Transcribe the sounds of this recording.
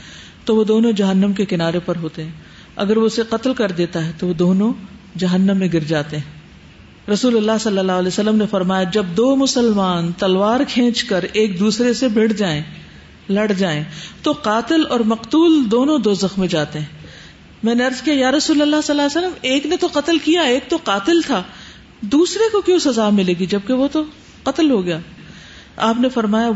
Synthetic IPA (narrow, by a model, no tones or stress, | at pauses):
t̪oʋod̪oːnõd͡ʒɐɦənːəmkekɪnaːɾepɐɾɦoːt̪eɦɛ̃ | ɐ̰ɡəɾʋoseqɐt̪lkɐɾd̪eːt̪aɦɛt̪oʋod̪oːnõ | d͡ʒɐɦənːəmːẽɡɪɾd͡ʒaːt̪eɦɛ̃ | ɾɐsuːlɐlːaːɦsɐlːəlːaːɦlɛesɐlːəmnefɐɾmaːjad͡ʒɐbd̪oːmʊsəlmaːnt̪ɐlʋaːɾkʰẽːt͡ʃkɐɾeːk̚d̪uːsɾesebʱɪɽd͡ʒaːẽ | lɐɽd͡ʒaːẽːt̪oqaːt̪ɪlɔːɾmɐqt̪uːld̪oːnõd̪oːzɐxmẽd͡ʒaːt̪eɦɛ̃ | mɛ̃ːneɐɾzkijajaːɾɐsuːlɐlːaɦsɐlːaːesəlːəmeːknet̪oqɐt̪əlkijaeːk̚t̪oqaːt̪ɪlt̪ʰaː | d̪uːsɾekokjõsɐzaːmɪleːɡid͡ʒɐb̚keʋot̪o | qɐt̪əlɦoɡɐjaː | aːpnefɐɾmaːja